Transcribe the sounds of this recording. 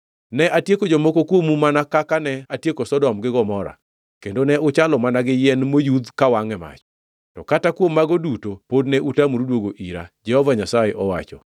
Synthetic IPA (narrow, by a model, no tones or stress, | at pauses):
nɛʔatjekod͡ʒɔmokokwomumanakakanɛatjekosɔdɔmɡɪɡɔmɔɾa̰ | kendonɛʔʊt͡ʃalɔmanaɡɪjɛnmojud̪kawaŋɛma̰t͡ʃɔ̥ | tɔkatakwomːaɡodutopodnɛʔutamuɾudwoɡoʔiɾa̰d͡ʒɛhɔvaɲasajeʔɔwa̰t͡ʃɔ̰